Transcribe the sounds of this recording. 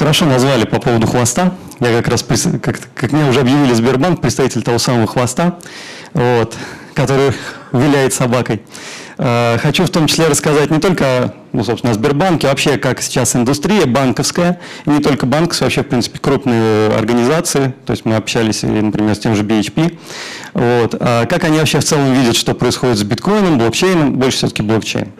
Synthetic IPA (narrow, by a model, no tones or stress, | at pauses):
xəɾɐʂo̞nɐzvalʲɪpɐpo̞vəd̪ʊxvɐst̪a | jakɐkɾaspɾʲɪkak̪kakmɪnʲaʊʐɛɐbjɪvʲilʲɪzbʲɪrbank̚pɾʲɪt̪st̪ɐvʲitʲɪlʲt̪ɐvo̞saməvəxvɐst̪a | vo̞t̪ | kɐt̪o̞ɾɨjəvʲɪlʲæjɪt̪sɐbakəj | axɐt͡ɕuft̪o̞mt͡ɕɪ̥sʲlʲeɾəskɐzat̚ʲnʲɪt̪o̞lʲkəɐ | nusopsʲɪnɐzbʲɪrbankʲɪvɐpɕekaksʲɪ̥t͡ɕasɪnd̪ʊst̪ɾʲijəbankəfskəjəinʲɪt̪o̞lʲkəbankə̥sʲvɐpɕːefpɾʲint̪sɨ̥pʲɪ̥kɾupnɨjəɐ̰rɡənʲɪzat̪sɨɪt̪o̞jɪsʲtʲmɨɐpɕælʲɪsʲɪ̰nəpɾʲɪmʲesʲtʲemʐɨbʲɪɪt͡ɕpʲi | vo̞t̪akakɐnʲivɐpɕeft̪sɛlˠəmvʲidʲɪt̪ʂt̪o̞pɾəɪsxo̞dʲɪt̪zbʲɪt̪ko̞jnəmblˠokt͡ɕejnəmbo̞lʲʂə̥sʲɵt̪ə̥kʲɪblˠokt͡ɕḛjn